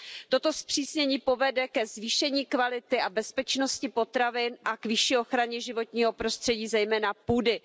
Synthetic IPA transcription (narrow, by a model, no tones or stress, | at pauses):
t̪o̞t̪o̞spr̝̥iːsɲɛɲiːpo̞vɛdɛkɛzviːʃɛɲiːkvalɪt̪ɪʔabɛspɛt͡ʃnoscɪpo̞t̪ɾavɪnʔakvɪʃiːo̞xɾaɲɛʒɪvo̞t̪̚ɲiːɦo̞pɾo̞st̪r̥ɛɟiːzɛjmɛːnapuːdɪ